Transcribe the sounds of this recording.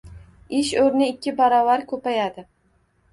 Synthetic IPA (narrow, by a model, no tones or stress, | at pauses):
ɪʃɵɾnɪɪkʲːɪbaɾɒvaɾkʰɵpajad̪ɪ